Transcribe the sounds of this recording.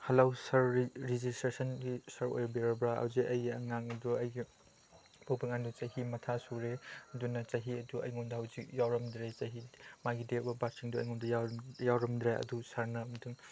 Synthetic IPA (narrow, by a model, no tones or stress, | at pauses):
hɐlawsɐɾɾizistɾesɐnɡisɐɾo̰jbiɾɐbɾaa̰wzeʔɐjɡɐ̰ŋaŋɐduɐjɡi | bowbiŋandut͡ʃɐɦimɐtʰasuɾeɐdunɐt͡ʃɐɦiɐduɐ̰jŋomdɐhɐwzik̚jawɾɐmdɾet͡ʃɐɦimaɡidek̚bɐbak̚siŋduɐ̰jŋɔndɐjajawɾɐmdɾaɐ̰dusaɾnɐmɐtɯŋ